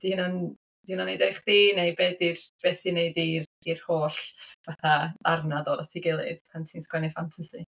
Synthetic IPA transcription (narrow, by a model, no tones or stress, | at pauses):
d̥ihnan | d̥ihnanejdejχðinejbɛdirb̥ɛsineɨdir | irhoːɬvaθaarnadɔdatʰiɡɪlˠɨ̰ðpʰantʰiːnskwɛnɨfantʰasi